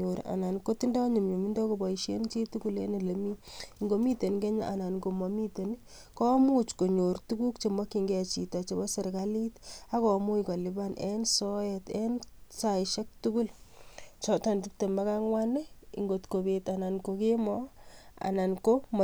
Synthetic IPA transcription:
o˨ɾa̰˨na˨nko˦ti˦ndɔ˦ɲi˨mɲu˨mi˦ndɔ˦ko˨bɔ˨iʃe˦nt͡ʃi˦tu˦ku˦le˦ne˨le˨mi˦ŋɡo˨mi˦te˨nke˦ɲa˦ʔa˨na˨nko˨mɔ˨mi˦te˨ni | kɔ˦mu˦t͡ʃko˨ɲo˨ɾtu˦ku˦kt͡ʃe˨mɔ˦ki˨ŋɡɛ˨t͡ʃi˨ta˨t͡ʃe˨bɔ˦se˨ɾɡali˦ta˦kɔ˨mu˦ikɔ˨li˨ba˦nʔe˦nsɔ˦ɛte˦nsa˨iʃɛ˦k̚tu˦ɡu˦lt͡ʃɔ˦ta˨nti˦p̚te˨ma˨ka˦ŋwa˦ne˦ḭ˨ŋɡo˨tko˨be˨ta˨na˨nkoke˦mɔ˦a̰˨na˨nko˦m˨

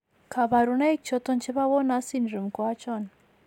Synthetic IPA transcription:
kʰa˨βa˨ɾu˨na˦i˦t͡ʃʰɔ˦tɔ˦nt͡ʃʰi˦βa˦βɔ˦na˦si˦n˨ɾu˨m˨kwa˦t͡ʃɔ˦na

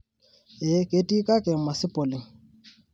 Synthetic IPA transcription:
e˨kʼe˨˦tʼi˦kʼa˦kʼɪ˨ma˨sɪ˦pʼɔ˨lɪ˨ŋ̩

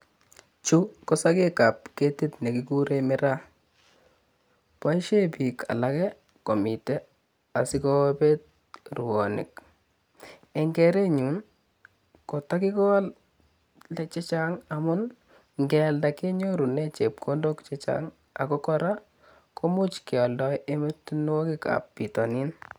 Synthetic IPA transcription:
t͡ʃu˦kɔ˦sa˦ke˦ka˨p̚ke˦ti˦tne˨kiku˦ɾemɪ˦ɾa˦ | pa˦iʃe˦pi˨ka̰˨lakɛ˦ | kɔ˨mi˨tɛ˦ | a˨sɪ˦kɔpet̚ | ru˨wɔ˨nɪ̰˨k̚ | ɛ˨ŋɡɛ˨ɾe˦ɲu˨n | kɔ˨ta˦ki˦kɔ˦l | lɛt͡ʃɛ˦t͡ʃaŋamʊ˦n | ŋɡɛ˨lda˨ke˦ɲo˦ɾu˨nɛ˦t͡ʃe˨p̚kʰo˦ndokt͡ʃɛt͡ʃa̰ŋ | a̰˨kɔ˦kɔɾa˦ | kʰo˦mu˦t͡ʃkɪ˨ɔ˨ldɔjʔe˦mɪ˦tn˦wɔ˦kɪ˦ka̰pːi˨tɔ˨ni˦n

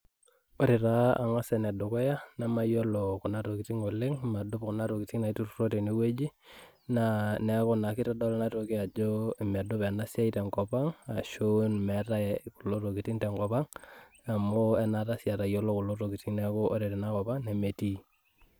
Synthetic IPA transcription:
o˦ɾɪ˨ɾa˦a̰˨ŋa˦sɛ˨nɛ˨do˨kɔ˦ja˦nɛ˦ma˦jo˦lo˨ku˨na˦ɾo˨ki˨ti˦ŋo˨le˦ŋma˨dʊ˦pkɔ˨na˦ɾo˨ki˨ti˦ŋna˨i˦tu˦ɾu˦ɾo˦ti˨ni˦we˦d͡ʒi˦ | nanɛ˦kɔ˦na˨kɪ˦tɔ˦dɔ˦lna˦to˨ki˦a˨d͡ʒo˦i˨mɛ˨dʊ˦pɛ˨na˦sja˦i˦tɛ˨ŋkɔ˨pa˦ŋa˨ʃo˦nmɛ˨ta˦ku˨lo˦ɾo˨ki˨ti˦ŋtɛ˨ŋkɔ˨pa˦ŋ | a˨mo˦ɛ˦na˨ta˦sja˨ta˨jo˦lo˦ku˨lo˦ɾo˨ki˨ti˦ŋnɛko˦ʔo˦ɾɪ˨ɾi˨na˦kɔ˨pa˦ŋne˨me˨ti˦

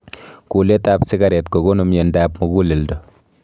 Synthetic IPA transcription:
ku˨le˦ta˦psɪ˦ɡaɾɛ˨tko˨ɡo˦nu˨mje˨ndaː˦pmo˨ɡu˦le˨ldo˨

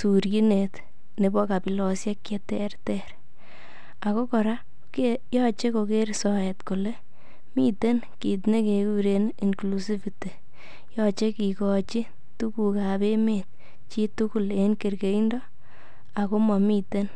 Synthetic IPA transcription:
su˨ɾji˦ne˨t | ne˨bɔ˦ka˨pi˨lɔ˨sja˦kje˦tɛː˦rtɛɾ | a˨ko˦kɔ˨ɾa˦ | kejɔt͡ʃe˦ko˧ke˦ɾsɔ˨e˨tko˨le˦ | mi˦te˦n | ki˨t̬ne˦ke˨ɡuɾe˦ni˨ŋklusi˦fi˨te˨ | jɔ˦t͡ʃe˦kikɔ˨t͡ʃi˦ | tu˦ku˨ka˨be˦met̚ | t͡ʃi˦tu˦ku˦˨le˦nke˨ɾke˨i˦ndɔ˦ | a˨ko˦mɔ˨mi˦te˦n

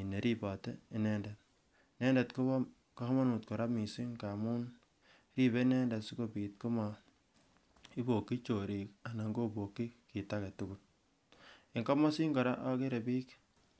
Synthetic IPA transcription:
i˨ne˨ɾi˦bɔ˨te˦i˨nɛ˦nde˨t | nɛ˦nde˨tko˦ | kɔ˦hmɔ˦nu˨t̚ko˨ɾa˦pmi˨si˦ŋka˨mu˦n | ɾi˦be˦nɛ˦nda˨su˦ko˨piː˨t̚ko˦mɔ˨ | i˦bo˨kːi˦t͡ʃo˨ɾi˨ka˨na˨ŋɡo˦bo˨kːi˦ki˨ta˦ke˨tuku˦t̚ | e˨ŋka˦mɔ˦si˦ŋkɔ˨ɾa˦ʔɔ˦ke˦ɾe˨piː˦k

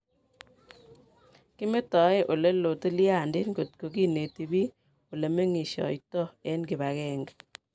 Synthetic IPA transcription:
ki˦me˦tɔ˨˦e˦ʔo˨le˦lo˨ti˦lja˦˨ndɪ˦nɡo˨t̚ko˨ki˦ne˨ti˨bi˦ | o˨le˨me˦ŋi˨ʃɔ̰˨jtɔ˦e˦nɡɪ˨βa˨kɛ˦ŋɡ

